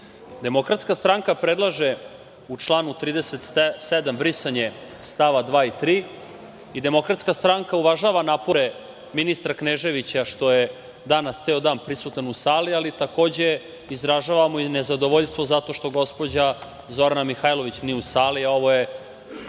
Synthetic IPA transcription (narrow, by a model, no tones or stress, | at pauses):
d̪e̞mo̞kɾat̪skast̪ɾaŋkapɾe̞d̪lˠaʒe | ut͡ʂlˠaːnut̪ɾiːd̪eset̪sed̪ambɾisaɲe | st̪aʋad̪ʋaːit̪ɾiː | id̪e̞mo̞kɾat̪skast̪ɾaŋkauʋaʒaːʋanaːpoɾe | minist̪ɾakneʒe̞ʋit͡ɕaʃt̪o̞je | d̪anast̪seod̪aːnpɾisut̪anusaːlialit̪ako̞ːd͡ʑe | izɾaʒaːʋamoinezad̪o̞ʋoʎst̪ʋo̞zat̪o̞ːʃt̪o̞ɡo̞spo̞d͡ʑa | zo̞ɾanamixaːjlo̞ʋit͡ɕniɛusaːliao̞ʋo̞je